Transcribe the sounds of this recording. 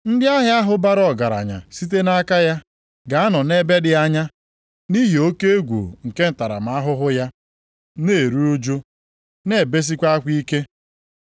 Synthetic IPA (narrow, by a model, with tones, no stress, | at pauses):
n̩˦dɪ˦a˦ɦɪ˦a˦ɦʊ˦ba˦ɾɔ˨ɡa˨ɾa̰˨ɲa̰˨si˦t̬e˦na˦ka˦ja˦ | ɡa˨a˦nɔ˨ne˦be˦dɪ˦a˦ɲa˦ | ni˦ɦi˨o˦ke˦e˦ɡʷṵ˨ŋ̩˨ke˦n̩˨ta˨ɾa̰˨m̩˨a˦ɦʊ˦ɦʊ˦ja˦ | ne˨ɾu˦u˦d͡ʒo˦ | ne˦˨be˦s̬i˦kʷa˦a˦kʷi˦ke˦